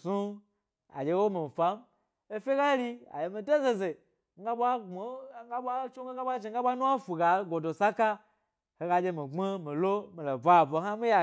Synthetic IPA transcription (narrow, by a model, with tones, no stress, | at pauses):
su˦ | a̰˨d͡ʒʲe˧˦wo˦mi˨m˨fa˨˦m | e˦fʲe˦ɡa˦ɾi˦a̰˨je˨mi˨do˦ze˨ze˨ | ŋ˦ɡa˦ɓʷa˦ŋ͡mo˨ŋ˦ɡa˦ɓʷa˦t͡ʃo˦ŋ˦e˦ŋɡa˦ɓʷa˦ʒi˨ŋ˦ɡa˦ɓʷa˦nu˦a˦fu˨ɡa˨˦ɡo˨do˨sa˦ka˦ | he˨˧ɡa˧d͡ʒe˧mi˨ŋ͡me˦mi˨lo˦mi˨lo˨bʷa˨vo˨˦a˦mi˦ja˨